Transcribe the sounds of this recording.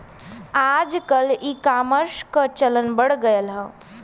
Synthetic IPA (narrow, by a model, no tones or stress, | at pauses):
ad͡ʒkəlikaməɾʃkət͡ʃələnbəɽɡəjəlɦə̃